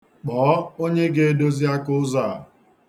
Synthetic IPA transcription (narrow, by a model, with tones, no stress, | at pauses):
k͡pɔː˨˦o˦ɲe˦ɡe˦e˦do˦zi˦a˦kʊ˦ʊ˦za˦˨